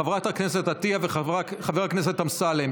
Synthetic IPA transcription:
avʁat̪haknes̬et̪at̪iaveχaχaveʁaknes̬et̪amsalem

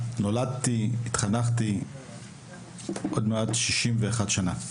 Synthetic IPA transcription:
nolad̚t̪iit̪χanaχti | ʔodmeodʃiʃimveaχadʃana̰

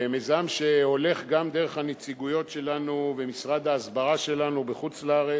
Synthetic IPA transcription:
emezamʃe̞o̞le̞χɡamd̪eʁeχhanet͡siɡujo̞tʃe̞lanuvemisʁad̪haːzbaʁaʃe̞lanubeχut͡sleaʁe

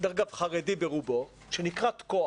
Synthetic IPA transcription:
d̪aʁɡavχaʁedibeʁubo̞ | ʃenikʁat̪ko

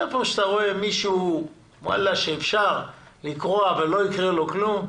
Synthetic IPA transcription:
epoʃt̪aʁo̞e̞miʃu | mwa̰lːaʃeːfʃaʁ | likʁoavalːo̞ikʁelo̞klum

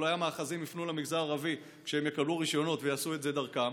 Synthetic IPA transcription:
loajamaːχazimifnulamiɡzaaʁavi | kʃeemjekabluʁiʃjo̞no̞tvejaːsuetze̞d̪aʁkam

